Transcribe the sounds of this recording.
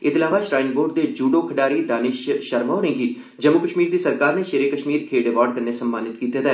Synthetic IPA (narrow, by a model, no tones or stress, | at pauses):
ɪt̪laːʋaʃɾaːɪ̃ŋboːɾɖd̪ed͡ʒuːɖokʰɐɖaːɾid̪aːnɪʃʃɐɾmoːɾẽːŋɡi | d͡ʒɐmːukəʃmiːɾd̪isɐɾkaːɾneʃeːɾekəʃmiːɾkʰeːɖeʋaːɖ̚kɐɾnesɐmːaːnɪt̪kiːt̪et̪ɦɛː